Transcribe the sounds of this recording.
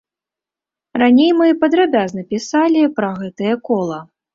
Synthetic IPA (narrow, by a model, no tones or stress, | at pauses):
ranʲejmɨpɐd̪ɾabʲaznɐpʲisalʲipɾɐɣɛt̪ɐjɐkɔlˠɐ